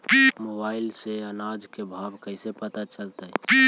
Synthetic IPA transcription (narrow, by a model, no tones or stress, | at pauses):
mobailseənad͡ʒkebʱabkəɪsepət̪at͡ʃəlt̪ə